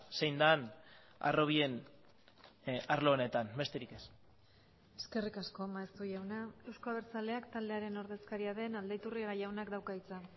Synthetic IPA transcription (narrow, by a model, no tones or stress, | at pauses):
sejnd̪an | a̰ro̞β̞ie̞n | aɾlo̞ːne̞t̪anbe̞st̪e̞ɾike̞s | e̞ske̞rikasko̞maest̪uʝawnae̞wskoaβeɾt͡sale̞akt̪ald̪e̞aɾe̞no̞ɾðe̞skaɾiaðe̞nald̪ejt̪uriɣajawnakd̪awkait͡sa